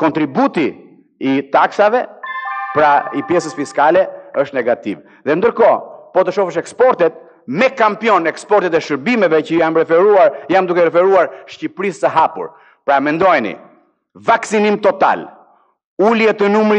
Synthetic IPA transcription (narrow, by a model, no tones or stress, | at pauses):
kɔnt̪ɾibut̪iː | t̪aksavɛpɾaipjɛsəsfiskalɛəʃt̪nɛɡat̪ḭv | ðɛnd̪əɾkɔpɔt̪əʃɔfəʃ̬ɛkspɔɾt̪ɛt̪̚ | mɛkampjɔnɛkspɔɾt̪ɛt̪ɛʃəɾbimɛvɛcəjamɾɛfɛɾuaɾjamd̪ukɛɾɛfɛɾuaɾʃcipɾist̪əɦapṵɾ | pɾamɛnd̪ɔjnḭ | vaksinimt̪ɔt̪a̰l | uljɛt̪ənumɾi